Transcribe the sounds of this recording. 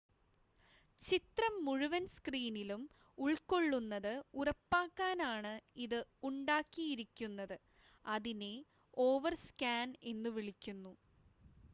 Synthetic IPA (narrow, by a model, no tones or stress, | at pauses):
t͡ɕit̪rɐmːuɻuʋɐnskriːnilum | uɭko̞ɭːunːɐðɨurɐpːaːkːaːnaːɳɨiðɨuɳɖaːkːijiɾikʲːunːɐðɨ | ɐðine̞ | o̞ːʋɐrskaːne̞nːɨʋiɭikʲːunːu